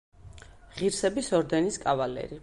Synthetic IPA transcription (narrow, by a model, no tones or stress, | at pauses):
ʁiɾsɛbisɔɾd̪ɛniskʼavalɛ̰ɾi